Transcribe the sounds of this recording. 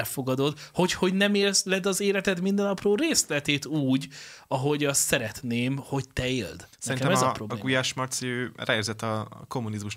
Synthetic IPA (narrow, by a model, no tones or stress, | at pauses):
lfo̞ɡɒd̪o̞d̪ho̞cho̞ɟnɛmeːlslɛd̪ɒzeːlɛt̪ɛt̪mind̪ɛnɒproːɾeːslɛt̪eːt̪uːɟɒɦo̞ɟɒst̪sɛɾɛt̪neːmho̞ɟt̪ɛeːld̪sɛɾinkɛɛmɛzɒpɾrobeɡujaːʃmɒrt̪siøːra̰erzɛt̪ːɒ̰ko̞mːunizmuʃ